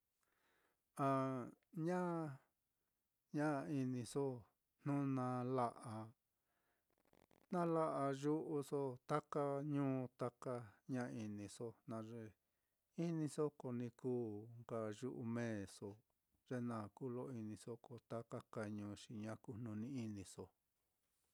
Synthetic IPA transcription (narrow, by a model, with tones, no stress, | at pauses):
a˧ɲã˦ | ɲã˦˧i˧nĩ˧so˦ | n̥ũ˦nã˧la˧ʔa˧ | nã˦la˦ʔa˧ʒu˦ʔu˧so˦t̪a˦ka˦ɲũː˦˧t̪a˦ka˧ɲã˦˧i˧nĩ˧so˧nã˧ʐe˧ | i˦nĩ˧so˦ko˨nĩ˧kuː˦ŋɡa˧ʒu˧ʔu˧mẽː˦˨so˧ | ʐe˧nã˧˨kuː˦lo˦i˧nĩ˧so˦ko˨t̪a˦ka˦ka˧ɲũː˧ʃi˧ɲã˦ku˧nũ˧nĩ˧˦i˦nĩ˧so˧